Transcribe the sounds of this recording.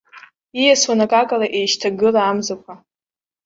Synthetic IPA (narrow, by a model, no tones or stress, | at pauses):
ijaswanakʼakʼalaʔejʃtʰaɡɨlaːmzakʷʰa